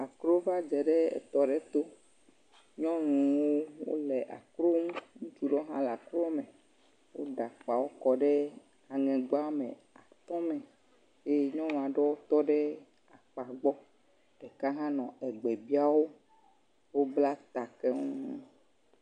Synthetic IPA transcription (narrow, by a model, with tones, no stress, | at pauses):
a˨kɾo˦va˦d͡ʒɛ˨ɖɛ˦ɛ̰˨t̪ɔ˨ɖɛ˦t̪o˦ | ɲɔ̃˦nũ˨wo˦wo̰˦lɛ˨ʔa̰˨kɾo˦mũ˦ŋũ˦t͡ʃu˨ɖɔ˦ɦã˦la˨kɾɔ˦mɛ˨ | wo˦ɖa˨k͡pa˨wo˦kɔ˨ɖɛ˦ | a˨ŋɛ̃˨ɡ͡ba˦mɛ̃˨ | a˨t̪ɔ̃˦mɛ̃˨ | je˦ɲɔ̃˦nũ˨a˨ɖɔ˦wo˦t̪ɔ˦ɖɛ˦ | a˨k͡pa˨ɡ͡bɔ˦ | ɖ̥ɛ˨ka˦ɦã˦nɔ̃˨ɛ˨ɡ͡bɛ˨bi˦a˦wo˦ | wo˦bla˦t̪a˨kɛ˦ŋu˦